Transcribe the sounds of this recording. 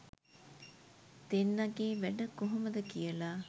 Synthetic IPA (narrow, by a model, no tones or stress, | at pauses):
d̪̥enːɐɡeːʋæɖəkoɦɐməd̪əkijəlaː